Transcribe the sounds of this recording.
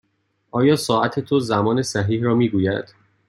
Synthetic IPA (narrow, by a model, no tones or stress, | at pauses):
ʔɒːjɒːsɒːæt̪ʰet̪ʰozæmɒːne̞sæɦiːhɾɒːmiːɡuːjæd̪̥